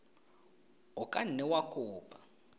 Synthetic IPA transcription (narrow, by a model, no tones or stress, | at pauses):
ɔkʼan̩nɛwakʼuːpʼa